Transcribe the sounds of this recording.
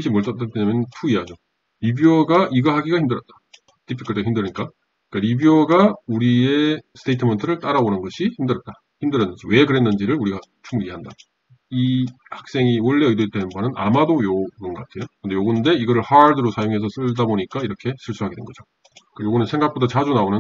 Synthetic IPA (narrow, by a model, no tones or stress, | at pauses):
ɕʰimʌɭt͈ʌt͈at͈eɲamjʌnɯntʰuiad͡ʑo | ɾibioɡaʔiɡɯɦaɡiɡaçʰimdɯɾjʌt̚t͈ḁ | t͈ʰipʰi̥k͈ʰːɯɭteɦʰimndɯɾiɲik͈a | ik͈aɾibioɡauɾie̞sʰɯ̥tʰeitʰɯmʌntʰɯɾɯɭt͈aɾabonɯnɡʌɕʰiçimdɯɾʌt̚t͈a | çimdɯɾjʌnːɯnd͡ʑiwe̞kɯɾe̞nːɯnd͡ʑiɾɯɭuɾiɡat͡ɕʰumuɾieɦanda | i | hak̚s͈e̞ŋioɭːe̞ɯjdeɭt͈enɯnbanɯnʔa̰madojoɡɯnɡʌk͈atʰe̞jokɯnde̞joɡɯnde̞iɡʌɾɯɭhaɭdɯɾosʰajoŋɦe̞sʰʌs͈ɯɭdaboɲik͈aiɾʌkʰe̞sʰiɭs͈ʰuɦaɡedwenɡʌd͡ʑo | k͈ajoɡɯnɯnsʰe̞ŋɡak̚p͈otʰat͡ɕad͡ʑunaonɯn